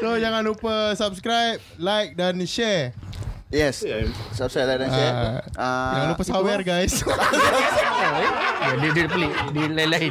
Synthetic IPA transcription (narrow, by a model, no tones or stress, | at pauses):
sojaŋãnupəsap̚skɾajp̚lajk̚danʃɛr | jɛssap̚skɾajp̚lajk̚dãʃɛajaŋãnupəsawɛrɡajsaaadiditplidilajlai